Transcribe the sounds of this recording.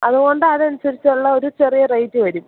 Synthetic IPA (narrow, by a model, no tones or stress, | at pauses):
ɐðuɣo̞ɳɖɨɐðɐnusɐɾit͡ɕːɐɭːɐo̞ɾut͡ɕerijɐrɐjtːɨʋɐɾum